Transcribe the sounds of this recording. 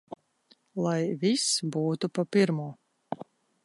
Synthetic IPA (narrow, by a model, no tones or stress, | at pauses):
lˠajvisbuːt̪upapiɾmuɔ